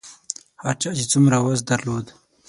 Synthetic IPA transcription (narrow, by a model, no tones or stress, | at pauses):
haɾt͡ʃɑːt͡ʃet͡sumɾawazd̪aɾlod̪